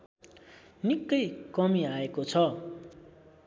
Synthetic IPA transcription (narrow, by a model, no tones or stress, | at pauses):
nikːʌjkʌmiaekot͡sʰʌ